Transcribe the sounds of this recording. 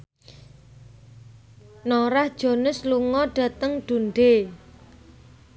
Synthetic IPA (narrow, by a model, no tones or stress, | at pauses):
noɾahd̥ʒ̥o̤nʊsluŋɔɖ̥ä̤t̪əŋɖ̥unɖe